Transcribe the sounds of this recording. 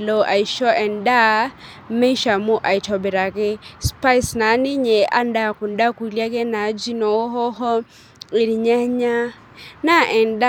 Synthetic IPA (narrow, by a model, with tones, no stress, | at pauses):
lɔ˨ʔa˨i˨ʃɔ˦ʔɛ˨nda˦ | m̩˦me˦i˦ʃa˨mʊ˦ʔa˨i˨tʰɔ˨bɛ˨ɾa˨kɛ˦spa˦jsna˨˦nɪ˦ɲɛ˨ʔa̰˦n˦da˦˨ku˨n̩˦da˦ku˨i˨lja˦kɛ˦na˨˦d͡ʒi˦nɔ˨˦ɦɔ˦ɦɔ˦ | ɪ˨ɾi˨ɲa˦ɲa˦ | na˦ʔɛ˨n˨˦da˦